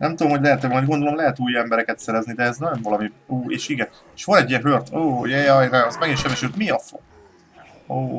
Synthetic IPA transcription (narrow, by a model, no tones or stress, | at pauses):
nɛmt̪ud̪omɦoɟlɛɦɛt̪ɛmɒjd̪ɡo̞nd̪olo̞mlɛɦɛt̪uːjɛmbɛɾɛkɛt̪sɛɾɛznid̪ɛːznɒjoɱvɒlɒmiuːeːʃiɡɛ | eʃʋonɛɟijɛɦørt̪oːjɛjɒjnɛɒzmɛɡiʃɛbɛʃylt̪miɒfo̰ | oː